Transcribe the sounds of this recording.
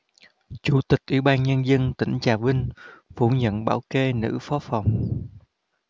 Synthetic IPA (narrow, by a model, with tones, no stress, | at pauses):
t͡ɕu˧˩˦t̪ï˨˩k̚ʔwḭ˧˩ɓaː˧nɲə˧nzə˧nt̪ï˧˩ŋ̟t͡ɕaː˨˩vï˧ŋ̟fu˧˩ɲə̰˧˨nɓaː˧˩wke˧nɨ̰˧˥fɔ˨˦fa˨˩wŋ͡m